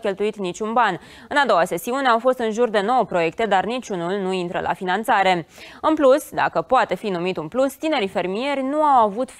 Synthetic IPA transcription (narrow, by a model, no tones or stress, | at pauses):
kʲe̞lt̪uit̪nit͡ʃʲunban | ɨnad̪o̞wase̞siune̞awfo̞st̪ɨnʒurd̪e̞no̞wəpɾo̞je̞kt̪e̞d̪arnit͡ʃʲunulnuint̪ɾə̰lʔa̰finant̪saɾe̞ɨnplusd̪a̰kəpoat̪e̞finumit̪unplust̪ine̞ɾife̞rmije̞rʲnuawavut̪